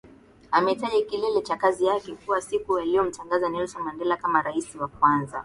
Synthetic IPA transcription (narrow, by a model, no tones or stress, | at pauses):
amɛitaʄikilɛlɛt͡ʃakazijakɛkuwasikujaliɔm̩taŋɡazanɛlsɔmandɛlakamaɾaisiwak̚wanza̰